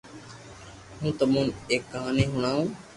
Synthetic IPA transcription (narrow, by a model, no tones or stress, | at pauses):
ɦũːt̪əmũːneːkːəɦaːniːɦʊɳ̃aːũː